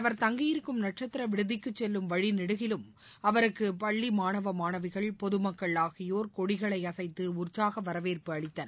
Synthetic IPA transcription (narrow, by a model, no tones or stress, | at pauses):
ɐʋɐɾt̪ɐŋɡɪjɪɾɯkːɯmnɐʈ̚t͡ʃɐt̪ːɪɾɐʋɪɽɯðɪkːɯt͡ʃːɛlːɯmʋɐɻinɪɽɯɣɪlɯm | ɐʋɐɾɯkːɯpɐɭːimaːnɐʋɐmaːnɐʋɪɣɐɭpɔðɯmɐkːɐɭaːɣɪjoːɾkɔɽɪɣɐɭɐɪɐsɐɪt̪ːɯʊrt͡ʃaːɣɐʋɐɾɐʋeːrpɯɐɭɪt̪ːɐnɐ